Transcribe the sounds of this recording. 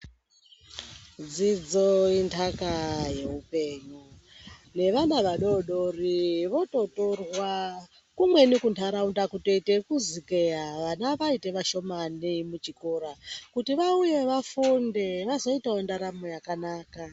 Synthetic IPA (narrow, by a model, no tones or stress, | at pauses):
d͡zid͡zo̞intʰakaje̞upe̞ːɲune̞ʋanaʋaɗo̞ɗo̞riʋo̞to̞to̞rwa | kumwe̞nikuntʰaɾaundakuteitekuzikejaʋanaʋaite̞ʋaʃo̞manimut͡ʃikoːɾakutiʋauje̞ʋafundeʋazoitaondaɾamo̞jakanaːka